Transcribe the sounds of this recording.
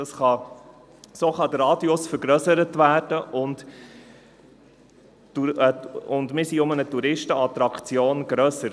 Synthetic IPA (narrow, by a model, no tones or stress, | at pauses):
dɑsχɑ | soːχɑd̥̪əɾɑːdiʊsfəɾɡɾœsəɾətvæːrd̥əʔʊnt | uəʊndmɪɾsiʊmənətuɾɪʃtəɑt̪ɾɑkt͡sjoːnɡ̥ɾœsəɾ